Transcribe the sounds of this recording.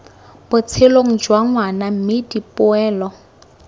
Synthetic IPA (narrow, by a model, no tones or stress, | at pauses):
b̥ʊt͡sʰeloŋ̩d͡ʒwaŋwanam̩mɪdipʊɛːlɔ